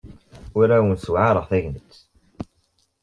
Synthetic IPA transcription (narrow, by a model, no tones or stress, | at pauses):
ʊɾæwənswʕaɾˤəʁθæʝnət͡sː